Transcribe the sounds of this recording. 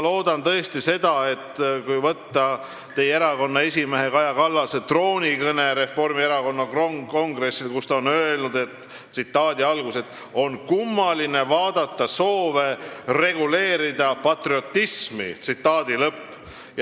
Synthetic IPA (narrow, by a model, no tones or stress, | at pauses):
lo̞ːd̪̥ɑnt̪ɤ̞est̪ise̞d̪̥ɑe̞t̪ːkujvɤt̪ːɑ | t̪e̞jeɾɑko̞nːɑe̞s̬ʲime̞ɦe̞kɑjɑkɑlːɑset̪ro̞ːnʲikɤne̞ɾe̞fo̞rmieɾɑko̞nːɑo̞ŋɡre̞silkust̪ɑonø̞e̞lnud̪̥e̞t̪ː | sit̪ːɑːd̪̥iɑlɡ̥use̞t̪ːˑ | o̞nkumːɑline̞vɑːd̪̥ɑt̪ːɑso̞ːve̞re̞ɡ̥ule̞ːɾid̪̥ɑpɑt̪rio̞t̪ːismḭt̪sit̪ːɑːd̪ilɤpː | j